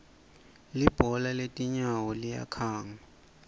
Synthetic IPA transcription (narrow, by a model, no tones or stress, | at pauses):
lib̥ʱɔlaletʼiɲawɔlija̰kʰaːŋa